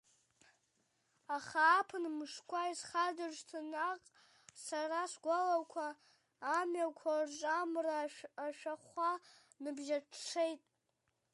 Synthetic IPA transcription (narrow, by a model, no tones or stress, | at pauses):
aχaːpʰɨnmɨʂkʷʰaizχadartʰɨnaqʼ | saraʂʷɡʷalakʷʰaː | mjakʷʰart͡ʃʷʼamraːʃᶣaχʷa | nɨbʒaʈ͡ʂʰʈ͡ʂʰejtʼ